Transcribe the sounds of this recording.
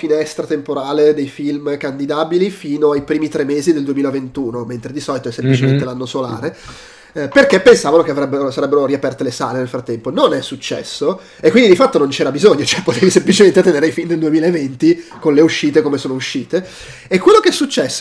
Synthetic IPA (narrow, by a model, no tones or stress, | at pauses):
finɛst̪ɾat̪empoɾaːled̪ejfilmkand̪id̪aːbilifiːnoajpɾiːmit̪ɾemːeːzid̪eld̪uemiːlavent̪uːnoment̪ɾed̪isɔlit̪oɛsːemplit͡ʃement̪elanːosola̰ːɾe | perkepːensaːvanokeavɾɛbːeɾosaɾɛbːeɾoɾiapɛrt̪elesa̰ːlenelfɾat̪ːɛmpononɛsːut͡ʃːɛ̰sːo | ekːwind̪id̪ifat̪ːonont͡ʃɛːɾabizoɲːot͡ʃoɛpːot̪eːvisemplit͡ʃement̪et̪ːeneːɾejfind̪eld̪uemiːlaevːent̪ikonleuʃːiːt̪ekomesoːnouʃːiːt̪eː | kwelːokeɛsːut͡ʃːɛsː